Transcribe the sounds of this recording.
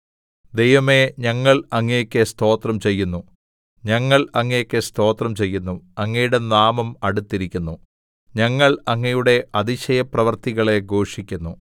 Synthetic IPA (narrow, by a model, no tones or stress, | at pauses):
d̪e̞jʋɐme̞ɲɐŋːɐɭɐŋːɐjokʲːɨst̪o̞ːt̪rɐmt͡ɕe̞jːunːu | ɲɐŋːɐɭɐŋːɐjokːest̪ʰo̞ːt̪rɐmt͡ɕe̞jːunːuɐŋːɐjuɽe̞naːmɐmɐɽut̪ːiɾikʲːunːu | ɲɐŋːɐɭɐŋːɐjuɽe̞ʔɐd̪iɕɐjɐprɐʋɐrt̪iɣɐɭe̞ɡo̞ːʂikʲːunːu